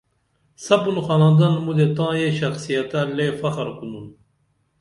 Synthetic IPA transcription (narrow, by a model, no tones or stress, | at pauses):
sɐbunxaːnãnd̪ɐnmud̪et̪ãːjeɕɐxsijɐt̪alefɐxɾkunun